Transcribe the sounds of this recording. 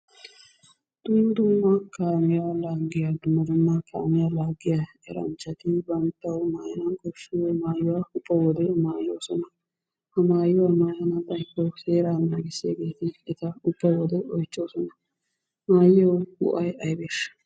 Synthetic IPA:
d̪̥ʊmːɐd̪ʊmːɐkaːmɪjalaːɡɪjad̪ʊmːɐd̪ʊmːakʰa̰ːmɪjalaːɡɪja | ɛ̰ɾɐ̰nt͡ʃːɐt̪ɪbɐnt̪ːɐwmaːjɐnɐnkɔʃɪwmaːjʊwaʊpːɐwɔd̪ɛmaːjoːsɔnɐ | hɐmaːjɪwamaːjɐnɐbɐjkːɔseːɾanːaːɡɪseːɡe̞ːt̪ɪɛt̪ɐʊbːɐwɔd̪ɛʔɔjt͡ʃːoːsɔnɐ | maːjɛɔɡʊ̰ʔɐjɐjbeːʃɐ̥

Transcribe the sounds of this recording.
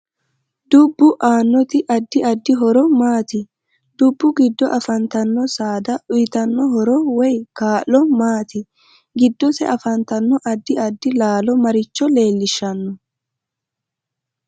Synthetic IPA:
d̪ʊbːʊʔaːnːɔt̪ɪʔɐd̪ːɪɐd̪ːɪɦɔɾɔmaːt̪ɪ | d̪̥ʊbːʊɡɪd̪ːɔʔɐfɐnt̪ɐnːɔsaːd̪ɐʔʊjɪt̪ɐnːɔɦɔɾɔwɔjkaːlːɔmaːt̪ɪ | ɡɪd̪ːɔsɛ̰ʔɐfɐnt̪ɐnːɔʔɐd̪ːɪɐd̪ːɪlaːlɔmɐɾɪt͡ʃːɔle̞ːlːɪʃːɐnːɔ

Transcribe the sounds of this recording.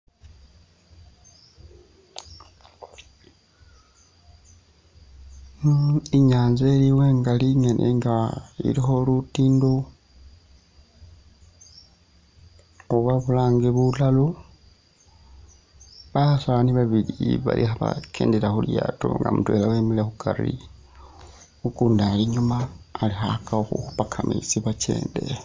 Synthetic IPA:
iɲaːnzeliweːŋɡaliŋenʔḛŋɡaḭɾixo̞lutiːndo | oβaβulaːŋɡeβulalu | βahasaβaniβaβiliβa̰lʔḭxaβa̰kʰeːndeɾaxulja̰to̰ŋɡa̰mutwḛlawemilexukʰaɾḭ | ukuːndaliɲumaːlixakaxuxupakʰamḭt͡siβat͡ʃe̞̰ːnde̞̰

